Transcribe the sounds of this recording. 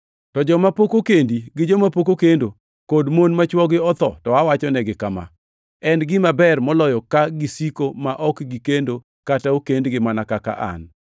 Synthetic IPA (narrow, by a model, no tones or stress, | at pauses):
tɔd͡ʒɔmapokokendiɡɪd͡ʒɔmapokokendo | kodmonmat͡ʃwɔɡɪɔt̪ɔ̰tɔawat͡ʃɔnɛɡɪkama̰ | ɛnɡɪmabɛrmɔlɔjɔkaɡisikomaʔɔkɡikendo | kataokendɡɪmanakaka̰ʔa̰n